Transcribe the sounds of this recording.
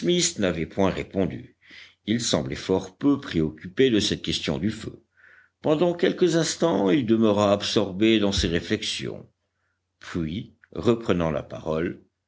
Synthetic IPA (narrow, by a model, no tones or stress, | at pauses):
smisnavɛpwɛ̃ʁepɔ̃d̪y̰ | ilsɑ̰̃blɛfɔʁpøpχeɔkʲyped̪əsɛt̪̚kʲɛst̪jɔ̰̃d̪yfø̰ | pɑ̃d̪ɑ̃kʲɛlkəzɛ̃st̪ɑ̃ild̪əməʁaːpsɔʁbed̪ɑ̃seʁeflɛksjɔ̰̃ | pɥi | ʁəpχənɑ̃la̰pa̰ʁɔl